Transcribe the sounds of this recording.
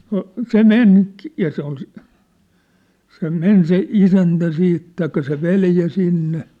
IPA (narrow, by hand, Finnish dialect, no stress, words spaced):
no se men jɑ se ol si se men se isæntæ siːt tɑikːɑ se ʋeljæ sinːe